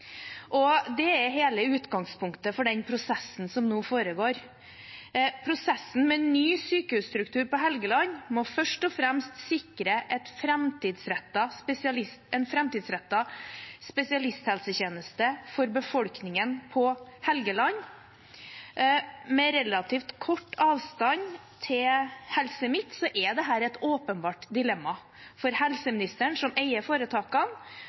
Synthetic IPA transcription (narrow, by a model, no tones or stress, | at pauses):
ʔɔd̪ɛɛɾɦeːləʉːt̪ɡɑŋspʰʊŋkt̪əfɔɖɛnpʰɾʊsɛsn̩sɔmnuːfoːɾəɡoːɾ | pʰɾʊsɛsːn̩mɛnːyːsyːkəhʉːst̪ɾʉkt̪ʰʉːɾpɔɦɛlɡəlɑɲmɔfœʂʈɔfɾɛmst̪sɪkɾəʔɛt̪fɾɛmt̪ɪːd̪sɾɛt̪ːɑspɛsɪɑlɪst̪ɛnfɾɛmt̪ɪːd̪sɾɛt̪ːɑspɛsɪɑlɪst̪hɛlsəçeːnəst̪əfɔɾbəfɔlknɪŋənpʰɔhɛlɡəlɑn | mɛɾɛlɑt̪ʰiːft̪kʰɔʈːɑːʋst̪ɑn | t̪ʰɪlhɛlsəmɪt̪ːsɔʔɛd̪ɛɦæːɾɛt̪oːpənbɑːʈd̪ɪlɛmːɑ | fɔɾhɛlsəmɪnɪst̪əɳsɔmeɪəfoːɾət̪ʰɑːkɑn